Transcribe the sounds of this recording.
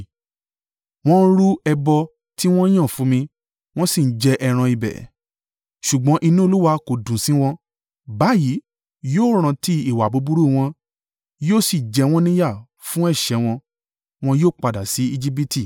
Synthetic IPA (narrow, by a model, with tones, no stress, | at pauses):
w̃ɔ̃˦ɾu˦ɛ˧bɔ˧ | ti˦w̃ɔ̃˦j̃ã˦˨fũ˨˦mĩ˧ | w̃ɔ̃˦si˦˨n̩˦d͡ʒɛ˧ʔɛ˧ɾ̃ã˧i˧bɛ̰˨˦ | ʃu˨ɡ͡bɔ̃˨˦ʔi˧nũ˦o˦˧lu˦wa˧ko˨dũ˨sĩ˨˦w̃ɔ̃˧ | ba˨˦ji˨˦ | joː˦˨ɾ̃ã˧ti˦i˦˨wa˨bu˨˦bu˦ɾu˦˨w̃ɔ̃˧ | joː˦˨si˦˨d͡ʒɛ˧w̃ɔ̃˦nĩ˦ja˦˨ | fũ˦ɛ˦˨ʃɛ˨˦w̃ɔ̃˧ | w̃ɔ̃˧joː˦˨k͡pa˧da˨si˨˦i˧d͡ʒi˦p̬i˦ti˦˨